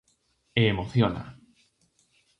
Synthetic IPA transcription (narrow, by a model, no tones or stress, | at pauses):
eːmoθjona̰